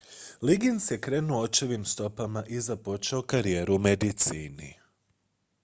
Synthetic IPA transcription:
liɡinsjekɾe̞ːnuot͡ʃeʋimst̪o̞pamaʔizapo̞t͡ʃaokaɾije̞ːɾumed̪it̪siːnḭ

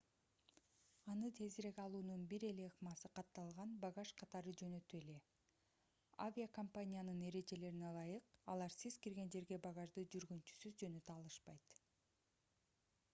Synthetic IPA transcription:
ɑnɯt̪ʰe̞ziɾe̞kɑlˠuːnunbiɾe̞le̞χmɑsɯqʰɑt̪ːɑlˠʁɑnbɑɡɑʃqʰɑt̪ɑɾɯd͡ʒø̞nø̞t̪ye̞le̞ | a̰vʲijakompanʲijanɯne̞ɾe̞d͡ʒe̞le̞ɾinelˠɑjɯqɑlˠɑɾsizkiɾɡe̞nd͡ʒe̞ɾɡebɑʁɑʒd̪ɯd͡ʒyɾɡynt͡ʃy̥syzd͡ʒø̞nøt̪ɑlˠɯʃpɑjt̪

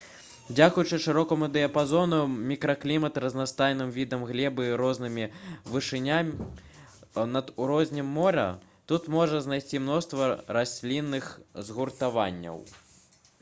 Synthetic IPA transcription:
d͡zʲakujut͡ʂɨʂɨɾɔkɐmud̪ɛɐpazɔnɐmʲikɾɐklʲimɐt̪ɾɐznast̪ajnɨmvʲid̪ɐmɣlʲɛbɨiɾɔznɨmʲivɨʂɨnʲamʲi | nɐd̪uɾɔzʲnʲɛmːɔɾɐ̰ | t̪ut̪mɔʐɐznajsʲt͡sʲimnɔst̪vɐɾasʲlʲinːɨxzɣurt̪ava̰nʲːɐ̰w

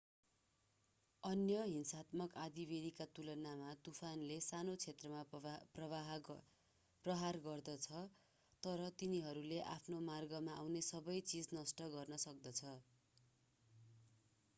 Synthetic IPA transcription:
ʌnjʌɦinsat̪mʌkad̪ibed̪ikat̪ulʌnamat̪upʰanlesanot͡sʰet̪rʌmaprʌbaɦ | prʌɦarɡʌrd̪ʌt͡sʰʌ | t̪ʌɾʌt̪iniɦʌɾuleʔapʰnomarɡʌmaːwnesʌbʌjt͡sid͡znʌsʈʌɡʌrnʌsʌk̚d̪ʌt͡sʰʌ

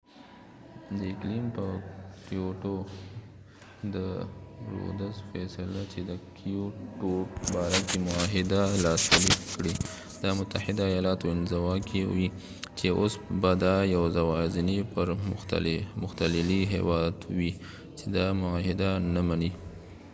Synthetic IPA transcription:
d̪əɪklimpəkioʈo | d̪əɾo̰d̪azfɛsalat͡ʃed̪əkʰioʈopəbɑɾakemʊaɦɪd̪alɑsaɾikɽi | d̪ɑmʊt̪ahɪd̪aːjɑlɑt̪oɪnzawɑkʰewi | t͡ʃeʔosbad̪ɑjawzawɑzɪnepəɾ̰ | mʊxt̪alɪliɦḛwɑd̪wi | t͡ʃed̪ɑmʊaɦɪd̪anamani

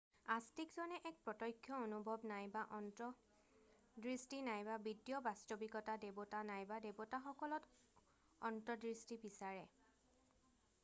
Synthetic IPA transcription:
astikzɔnɛʔɛk̚pɹɔtɔjkʰːjɔonubʱɔbnajbaʔɔntɔ | dɹistinajbabidjɔbastobikɔtadebɔtanajbadebɔtaxɔkɔlɔt | ɔntɔdɹistibisaɹɛ

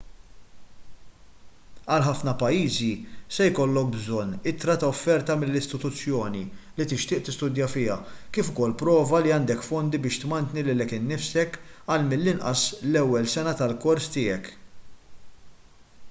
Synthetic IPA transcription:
ɐlħɐfnɐpɐjːiːzisɛjkɔlːɔk̚bzɔnːɪt̪ɾɐt̪ɐɔfːɛɾt̪ɐmɪlːɪst̪ɪt̪ʊt͡sːjɔːnilit̪ɪʃt̪ɪːʔt̪ɪst̪ʊd̪jɐfɪːɐ̰kiːfʊkɔlːpɾɔːvɐliɐnd̪ɛkfɔnd̪ibɪːʃt̪mɐnt̪nilɪlɛkɪnːɪfsɛkɐlmɪlːɪnʔɐ̰slɛwːɛlsɛnɐt̪ɐlkɔɾst̪ɪːjɛk

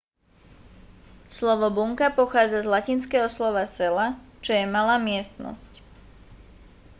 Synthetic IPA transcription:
slɔʋɔbuŋkapɔxaːd͡zazlacinskɛːɦɔslɔʋasɛlat͡ʃɔjɛmalaːmɪɛst̪nɔ̰sc

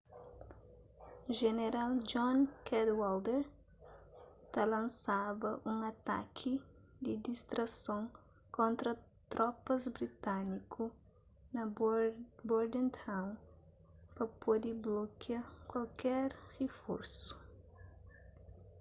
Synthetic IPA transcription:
ʒeneɾald͡ʒɔ̃nkɛd̪wald̪eɾ | t̪alɐ̃nsavɐʔũŋɐt̪a̰kʰi | d̪id̪ist̪ɾɐsõŋ | kõnt̪ɾɐ | t̪ɾʔɔpɐzbɾit̪anikʰu | nɐ | boɾd̪ẽnt̪ʰãw̃n | pɐpʰod̪iblokjakwalkʰɛɾʁefo̰ɾsu̥

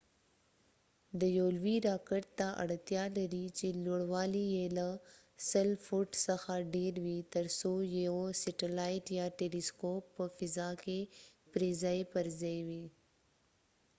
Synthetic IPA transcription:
d̪əjolwiɾɑkəʈ̚t̪aʔa̰ɽt̪jɑlaɾit͡ʃeloɽwɑlijela | səlfuʈsəxaɖeɾwit̪ɐɾsojeosɪʈilajʈjɑʈeliskoːpːəfɪzakepɾezaepəɾzajwi

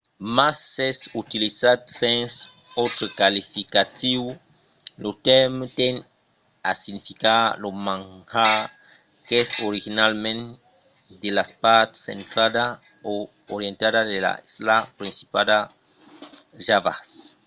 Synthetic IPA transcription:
masesut̪ilisad̪sẽns | ot̪ɾekalifikat̪iw | lot̪ɛɾmt̪eŋ | a̰siɡnifikalomãŋha | kesoɾixinalmẽn | d̪elaspaɾt̪sḛ̃nt̪ɾaða | o | oɾjẽnt̪aðaðela̰slapɾĩnsi̥pad̪a | ʒava̰s

